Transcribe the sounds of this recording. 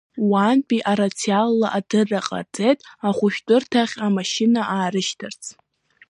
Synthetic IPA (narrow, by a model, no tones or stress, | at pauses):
wanpʼiʔaɾat͡sʰialːaʔadɨrːaqʼa̰d͡zʼejtʼaχʷʊʃᶣtʷʼʊrtʰaχʲamaʃinaʔaːɾɨʃtʰart͡sʰ